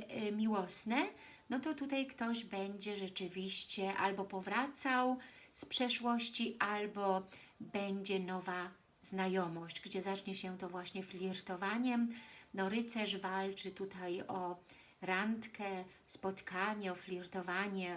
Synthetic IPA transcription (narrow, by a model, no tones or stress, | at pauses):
mʲiwɔsnɛ | nɔt̪ɔt̪ut̪ajkt̪ɔʑbɛɲd͡ʑɛʐɛt͡ʂɘvʲiɕt͡ɕɛʔa̰lbɔpɔvɾat̪sawspʂɛʂwɔɕt͡ɕiʔalbɔ | bɛɲd͡ʑɛnɔva | z̥najɔmɔɕd͡ʑɡd͡ʑɛzat͡ʂɲɛɕɛt̪ɔvwaɕɲɛflʲiɾt̪ɔvaɲɛnɔɾɘt̪sɛʂvalt͡ʂɘt̪ut̪ajɔ | ɾant̪kɛ | spɔt̪kaɲɛɔfʲlʲiɾt̪ɔvaɲɛ